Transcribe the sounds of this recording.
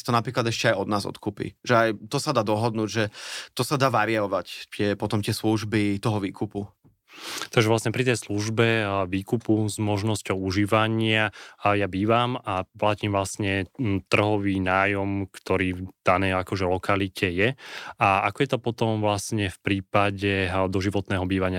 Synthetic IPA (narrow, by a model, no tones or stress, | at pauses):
t̪ɔnapɾiːklad̪ɛʃcɛajɔd̪naːzɔ̰t̪kʰupḭʒɛajt̪ɔsad̪aːd̪ɔɦɔd̪nuːɟʒɛt̪ɔsad̪aːʋaɾiɔʋact̪ɪɛpɔt̪ɔmt̪ɪɛsluʒbit̪ɔɦɔʋiːkupu | t̪aɡʒɛʋlasɲɛpɾit̪ɛjsluʒbɛʋiːkupuzmɔʒnɔscɔʊuʒiːʋaɲɪajabiːʋamaplaciːmvlasɲɛt̪r̩ɦɔʋiːnaːjɔmkt̪ɔɾiːd̪̥anɛjakɔʒɛlɔkʰalicʰɛjɛaakɔjɛt̪ɔpɔt̪ɔmvlasɲɛfpɾiːpaɟɛd̪ɔʒiʋɔt̪nɛːɦɔbiːʋaɲɪa